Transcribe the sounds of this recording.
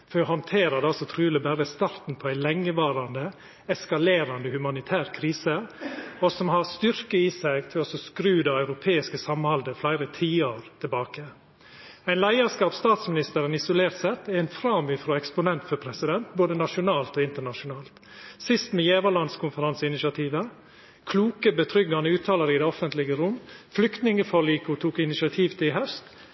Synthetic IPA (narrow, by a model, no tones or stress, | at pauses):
fhɔnt̪ʰeːɾəd̪ɛɑlsɔt̪ʰɾʉːləbæɾəst̪ɑɾt̪n̩pʰɔæɪlɛŋːəʋɑːɾɑnd̪ə | ɛskɑleːɾɑnd̪əhʉmɑnɪt̪ʰæːɾkʰɾiːsəɔsɔmhɑɾst̪ʏɾkəiːsæɪɡt̪ʰɪlɔsɔskɾʉːd̪ɑœʉɾʊpʰeːɪskəsɑmhɑld̪əflæɪɾət̪ʰiːəɾt̪ʰɪlbɑːkə | æɪnlæɪəskɑːpst̪ɑːt̪smɪnɪst̪əɾənɪsʊleːɾt̪sɛt̪ːɛæɪnfɾɑːmyfɾoːɛkspʊnɛnt̪fɔpʰɾɛsɪd̪ɛnt̪boːd̪ənɑʂʊnɑːlt̪ɔːɪnt̪əɳɑʂʊnɑːlt̪ | sɪst̪meːjɛːʋəɭɑnd̪skʰʊnfəɾɑnsəɪnɪʃɑt̪ʰiːʋə | kʰluːkəbət̪ʰɾʏɡɑnəʉːt̪ʰɑːləɾəɪd̪ɛːɔfənt̪lɪɡəɾʊmːflʏkt̪nɪŋəfoːɭiːkʊt̪ʰuːkɪnɪʃɪɑt̪ʰiːʋt̪ʰɪɦœst̪